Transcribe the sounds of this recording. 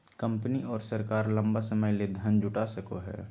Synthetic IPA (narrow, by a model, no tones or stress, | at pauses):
kə̃mpniɔːɾsɐɾkaːɾlɐ̃mbasɐməjled̪ʱɐnd͡ʒʊʈasəkoɦɛ̰ː